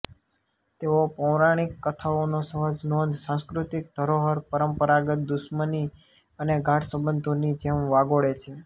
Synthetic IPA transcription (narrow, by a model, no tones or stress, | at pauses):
t̪eʋopəʋɾaɽ̃ikːət̪ʰaonosəɦəd͡ʒnond̪ʱsãskɾut̪ik̚d̪ʱəɾoɦəɾpəɾəmpəɾaɡət̪̚d̪ʊʃməni | əneɡʱãʈʰsəbənd̪ʱonid͡ʒemʋaɡoɭet͡ʃʰe